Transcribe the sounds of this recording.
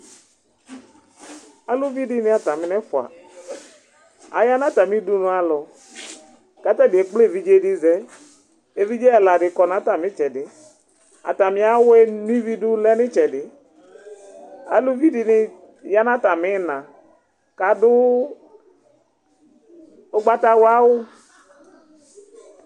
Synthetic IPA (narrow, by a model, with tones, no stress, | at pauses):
a˦lu˦vi˦dɪ˦nɪ̃˦a˨t̪a˨mɪ˦nɛ˦fʊ˨a̰˨ | a̰˨ja˦na˦ta˨mĩ˦du˦nʊ̃˦a˨lɔ˨ | ka˨˦t̪a˦bi˨e˨k͡ple˦˨vi˦d͡ʒe˦dɪ˦zɛ˦ | e˨vi˦d͡ʒe˦a˨la˨ɖɪ˨kɔ˨nã˨˦ta˨mɪ̃˦t͡ʃɛ˨dɪ˨ | a̰˨ta˨mi˦a˦we˦nu˦i˦vi˦dʊ˦lɛ˦nɪ˦t͡ʃɛ˨dɪ˨ | a̰˨lu˦vi˦dɪ˨nɪ˨ | ja˦na˦ta˨mɪ˦˨nã˨ | ka˨dʊ˦ | o˦ɡ͡ba˦ta˦wa˦wʊ˦